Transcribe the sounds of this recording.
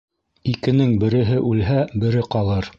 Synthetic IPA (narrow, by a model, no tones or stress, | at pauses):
ikɘ̆nɘŋbɘ̆ɾɘ̆ɦɘʔʉlɦæbɘ̆ɾɘqɑlˠɤɾ